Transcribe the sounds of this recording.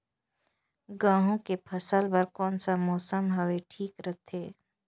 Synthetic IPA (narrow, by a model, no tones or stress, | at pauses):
ɡãːɦõkepʰəsəlbɐɾkɔːnsamɔːsəmɦəʋeʈʰiːkɾət̪ʰeː